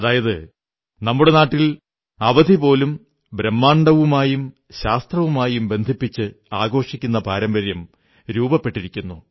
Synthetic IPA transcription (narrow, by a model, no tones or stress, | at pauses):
ɐðaːjɐðɨ | nɐmːuɽe̞naːʈːil | ɐʋɐd̪ʱipo̞ːlum | bɾemːaːɳɖɐʋumaːjum | ɕaːst̪rɐʋumaːjumbe̞nd̪ʱipːit͡ɕːɨaːɡo̞ːʂikʲːunːɐpaːɾɐmbɐɾjɐm | ɾuːbɐpːe̞ʈːiɾikʲːunːu